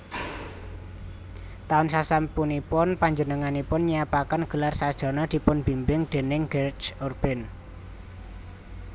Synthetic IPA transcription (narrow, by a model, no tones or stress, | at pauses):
t̪aʊnsasampunipʊnpaɲd͡ʒənəŋanipʊnɲiapakanɡ̥ə̤larsad̥ʒ̥ɔ̤nɔd̪̥i̤pʊnb̥i̤mbɪŋd̪̥e̤nɪŋɡɛrt͡ʃɔrb̥ɛn